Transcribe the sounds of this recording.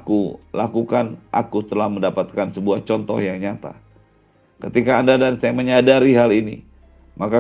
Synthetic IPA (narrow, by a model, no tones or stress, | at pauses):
kulakukanʔakut̪əlahməndapat̪̚kansəbuaht͡ʃɔnt̪ɔ̰hjaŋɲat̪a̰ | kət̪ikaːndadansajaməɲadaɾiɦalinḭ | maka